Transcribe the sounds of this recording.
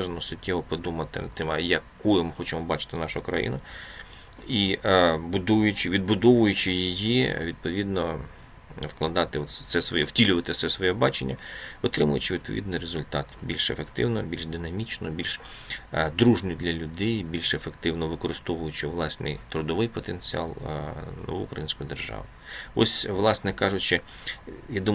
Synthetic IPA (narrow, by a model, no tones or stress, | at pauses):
ʒɐnɔsʊtʲːɛʋɔpɔd̪umɐt̪ɪ̰nɐt̪ːɪmjɐkːujɪmɪxɔt͡ʃɪmɔbɑt͡ʃɪ̥t̪ɪnɑʃʊkɾɐ̰jḭnɐ | ibʊd̪ujʊt͡ʃɪʋʲid̪̚bʊd̪ɔʋʊjʊt͡ʃɪjijiʋʲid̪̚pɔʋʲid̪nɔ | wklˠɐd̪ɑt̪ɪɔt̪t̪sɛsʋɔ̰jɛ̰w̥tʲilʲʊʋɐt̪ɪt̪sɛsʋɔjɛbɑt͡ʃenʲːɐɔt̪ɾɪmʊjʊt͡ʃɪʋʲd̪̚pɔʋʲḭd̪nɪjrezʊlʲt̪ɑt̪bʲilʲʃḛfekt̪ɪwnɔbʲilʲʃd̪ɪnɐmʲit͡ʃnɔbʲilʲʃ | d̪ɾuʒnʲid̪lʲɐlʲʊd̪ɛjbʲilʲʃefekt̪ɪwnɔʋɪkɔɾɪst̪ɔʋʊjʊt͡ʃɪʋlˠɑsʲnɪ̰jt̪ɾʊd̪ɔʋɪjpɔt̪enʲt͡sʲiɑ̰lˠnɔ̰ʋuʊkɾɐjinʲsʲkʊjid̪erʒɑ̰ʋɪɔ̰sʲʋlˠɑsnɛkɑʒʊt͡ʃɪ | jad̪um